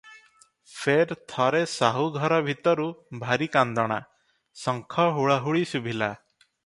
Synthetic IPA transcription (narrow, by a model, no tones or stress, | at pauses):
fʰeɾt̪ʰɔɾesaɦuɡʱɔɾɔbʱit̪ɔɾubʱaɾikand̪ɔɽ̃a̰ | sɔŋkʰɔɦuɭaɦuɭisubʱila